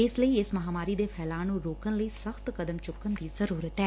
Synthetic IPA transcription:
ɪsləiːɪsmɐɦaːmaːɾiːd̪eːpʰɛːlãːnũːɾoːkənləiːsəxt̪kəd̪əmt͡ʃʊkːənd̪iːzəɾuːɾət̪ɛː

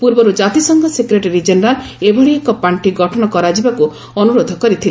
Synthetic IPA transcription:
puɾbɔɾud͡ʒat̪isɔŋɡʱɔsekɾeʈeɾid͡ʒeneɾalebʱɔɭiekɔpaɳʈiɡɔʈʰɔɽ̃ɔkɔɾad͡ʒibaku | ɔnuɾod̪ʱɔkɔɾit̪ʰile

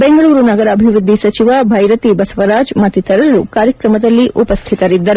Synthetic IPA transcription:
beŋɡɐɭuːɾunɐɡɐɾɐːbʱiʋɾud̪ʱːisɐt͡ʃiʋɐbʱɐjɾɐt̪ibɐsɐʋɐɾaːd͡ʒmɐt̪ːit̪ɐɾɐlukaːɾjɐkɾɐmɐd̪ɐlːiʔʔupɐst̪ʰit̪ɐɾid̪ːɐɾu

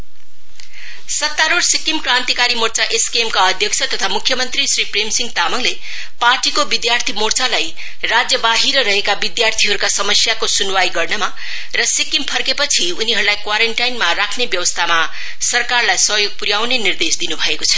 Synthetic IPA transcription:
sʌt̪ːaɾoɽsikimkrant̪ikaɾimort͡saʔeskemkaʌd̪ʱjʌksʰʌt̪ʌt̪ʰamukʰːjʌmʌnt̪risripremsiŋɡt̪amʌŋle | parʈikobid̪jart̪ʰimort͡salaj | rad͡zjʌbaɦiɾʌɾʌɦekabid̪jart̪ʰiɦʌɾukasʌmʌsjakosunwajɡʌrnʌma | rʌsikimpʰʌrkepʌt͡sʰiuniɦʌɾulajkwaɾeɳʈajnmarakʰnebjʌwʌst̪ʰama | sʌrkarlajsʌɦjoɡ̚puɾjawnenird̪esd̪inubʱʌekot͡sʰʌ̥

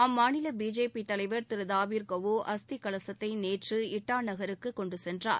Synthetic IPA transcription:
ɐmːaːnɪlɐbiːd͡ʒeːpit̪ɐlɐɪʋɐɾt̪ɪɾɯðaːʋiːɾkɐʋoʔɐst̪ikɐɭɐsɐt̪ːɐɪneːʈrɯɪʈːaːnɐɣɐɾɯkːɯkːɔɳɖɯsɛndra̰ːɾ

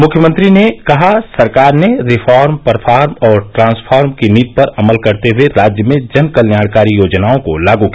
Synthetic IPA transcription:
mʊkʰjəmə̃nt̪ɾinekɐɦasɐɾkaːɾneɾɪfʰaːɾmpɐɾpʰaːɾmɔːɾʈɾãːnspʰaːɾmkiniːt̪̚pɐɾɐməlkɐɾt̪eɦʊeɾaːd͡ʒjəmẽd͡ʒɐnkɐljaːɽkaːɾijoːd͡ʒnaːõkolaːɡukː

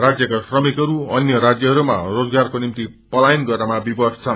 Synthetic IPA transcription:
rad͡zjʌkasrʌmikʌɾuʌnjʌɾad͡zjʌɦʌɾuma̰rod͡zɡarkonimt̪i | pʌlajinɡʌrnamabibʌst͡sʰa

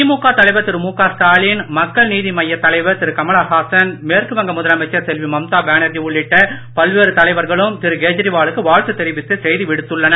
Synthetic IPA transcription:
imuːkːaːt̪ɐlɐɪʋɐt̪ɪɾɯmuːkaːsʈ̪aːɭinmɐkːɐɭniːðimɐjːɐt̪ːɐlɐɪʋɐt̪ɪɾɯkɐmɐɭaːɦaːsɐnmeːɾkɯʋɐŋɡɐmʊðɐlɐmɐɪt͡ʃːɐɾsɛlʋimɐmt̪aːʋeːɳɐɾd͡ʒiʊɭːɪʈːɐpɐlʋeːɾɯt̪ɐlɐɪʋɐɾɣɐɭɯmt̪ɪɾɯɡeːd͡ʒɪɾiʋaːɭɯkːɯʋaːɻt̪ɯt̪ːɪɾɪʋɪt̪ːɯsɛjðɯʋɪɽɯt̪ːɯɭːɐnɐ

